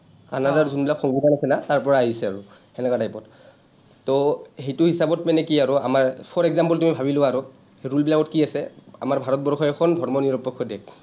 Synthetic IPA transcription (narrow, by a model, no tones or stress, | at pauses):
kanadaɹzunbilakxɔŋɡudʱanasɛnataɹpɔɹaːɦisɛaɹʊ | ɛnɛkadajpɔt | tɔhejtʊɦisabɔtmɛnɛkiaɹʊa̰maɹpʰɔɹɛɡzampɔltumibʱabilʊaːɹʊ | eɹulbilakɔtkiasɛa̰maɹbʱaɹɔt̚bɔɹxʰɔjɛkʰɔndʱɔɹmɔniɹɔpːɔkʰːɔdɛk